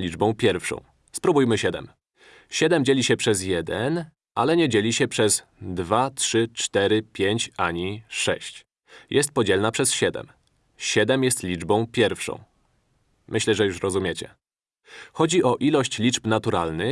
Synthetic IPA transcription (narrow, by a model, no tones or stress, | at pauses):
lʲid͡ʐbɔ̃w̃pʲjɛɾfʂɔ̰̃w̃ | spɾubujmɘɕɛd̪ɛ̰m | ɕɛd̪ɛmd͡ʑelʲiɕɛpʂɛzjɛd̪ɛn | ʔalɛɲɛd͡ʑelʲiɕɛpʂɛz | d̪vatʂɘt͡ʂt̪ɛɾɘpʲjeɲt͡ɕaɲiʂɛɕt͡ɕ | jʔɛst̪̚pɔd͡ʑɛlnapʂɛsɕɛd̪ɛ̰m | ɕɛd̪ɛmjɛst̪lʲid͡ʐbɔ̃w̃pʲjɛɾfʂɔ̰̃w̃ | mʔɘɕlɛʐɛjuʂɾɔzumʲɛt͡ɕɛ̰ | xɔd͡ʑiʔɔʔilɔɕt͡ɕlʲit͡ʂpnat̪uɾalnɘ